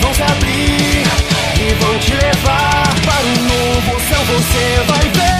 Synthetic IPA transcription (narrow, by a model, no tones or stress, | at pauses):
vɐ̃w̃sabɾiɾ | ɪvɐ̃w̃t͡ʃilevaɾpaɾũnovosɐ̃w̃vosevajve